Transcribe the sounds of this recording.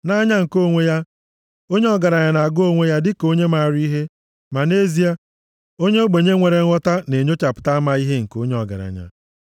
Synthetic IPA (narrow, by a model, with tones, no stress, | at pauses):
na˦ɲa˦ŋ̩˨ko˦˨ŋʷe˦ja˦ | o˦ɲe˦ɔ˦ɡa˨ɾa˨ɲa˨na˨a˨ɡʊ˦o˦ŋʷe˦ja˦dɪ˦ko˦ɲe˦ma˨ɾi˦ɦe˦ | ma˨ne˦zi˦a˦ | o˦ɲe˦o˦ɡ͡be˨ɲe˦ŋʷe˨ɾe˨˦ɔ˦ta˦ne˨ɲo˦t͡ʃa˨pʊ̥˨ta˦a˦ma˦i˦ɦe˦ŋ̩˨ko˦ɲe˦ɔ˨ɡa̰˨ɾa̰˨ɲa̰˨